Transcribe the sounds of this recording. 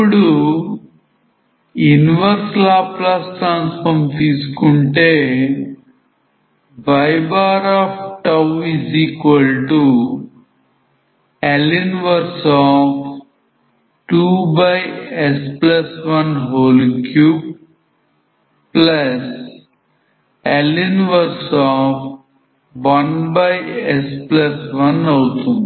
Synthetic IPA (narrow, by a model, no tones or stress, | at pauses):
puɽu | juniʋɐɾslaːplasʈɾãːnsfɐɾmt̪iːsu̥kuɳʈeː | bɐjbaːɾaːpʈɐwiziːkʋɐlʈu | elinʋɐɾsɔːf | ʈuːbaɪespləsʋɐ̃nɦoːlkʰjuːb | pləs | ɛlinʋəɾsɔːf | bɔ̃nbaɪespləsʋɐnɔʊt̪ʰũn